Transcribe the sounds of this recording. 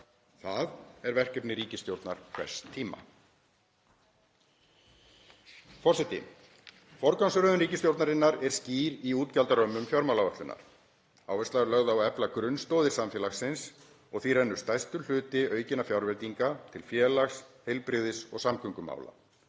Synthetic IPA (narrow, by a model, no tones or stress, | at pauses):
θaðɛɾvɛr̥cɛpnɪɾiːcɪst̪jowɾt̪na̰ɾ̥kʰvɛ̰r̥st̪ʰːiːma̰ | fɔrsɛt̪ɪ̰ | fɔɾkansʏɾœðʏnriːcɪst̪jowɾt̪naɾɪnːaɾɛɾ̥sciːɾiuːt̪calt̪aɾœmːʏmfjaɾmawlavaht̪lʏnːa̰ɾ̥ | a̰ːwvɛst̪aɣɾlœɣðʏawɛplakɾʏnst̪ɔwðɪɾ̥samfjɛːlaxsɪns | ɔɣθirɛnːʏ̥st̪ajst̪ʏl̥ʏːt̪ɪœːɥcɪnafjawɾvɛt̪iŋkat̪ʰɪlfjɛːlaxshejlpɾɪðɪsɔ̰ɣsamkʰʏŋkʏma̰ːwla̰